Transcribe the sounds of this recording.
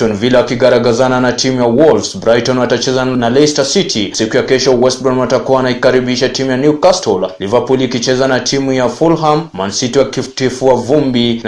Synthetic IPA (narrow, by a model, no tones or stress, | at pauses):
ɔnvilɛwakiɡaɾaɡazananatʰimujawɔlfsbɾajtɔnwatat͡ʃɛzanalɛstasitʰisikujakɛʃɔwɛstbɔmwatakuawanaikaɾiɓiʃatimujanjukastʰɔllivapulikit͡ʃɛzanatʰimujafulɦamːansitiwakitifuavumbi